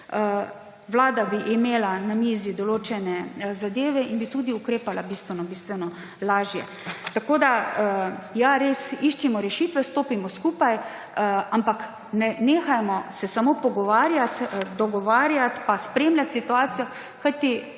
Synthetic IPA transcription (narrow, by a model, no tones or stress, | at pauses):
ʋlaːd̪abiʔːmeːlanamiːzid̪ɔloːt͡ʃɛnɛzad̪eːʋɛinbit̪uːd̪iukɾeːpalabist̪ʋɛnɔbist̪ʋɛnɔ | laːʒjɛ̰ | t̪akoːd̪a | jaɾeːsiʃt͡ʃimɔɾɛʃiːt̪ʋɛst̪oːpimɔskuːpaj | ampak | nɛneːxajmɔsɛsamoːpɔɡɔʋaːɾjat̪d̪ɔɡɔʋaːɾjat̪paspɾeːmlʲjʲat̪sit̪uaːt̪sijɔ | kajt̪i